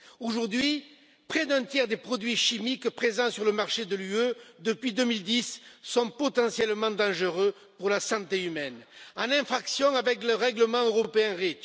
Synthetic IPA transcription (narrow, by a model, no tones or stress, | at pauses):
oʒuʁd̪ɥi | pχɛd̪ɛ̃t̪jɛʁd̪epχɔd̪ɥiʃimikpχezɑ̃syʁləmaʁʃed̪əlyød̪əpɥid̪əmild̪isːɔ̃pɔt̪ɑ̃sjɛlmɑ̃d̪ɑ̃ʒəʁø | puʁlasɑ̃t̪eymɛnɑ̃nɛ̃fχaksjɔ̃avɛkləʁɛɡləmɑ̃øʁɔpeɛ̃ʁit̪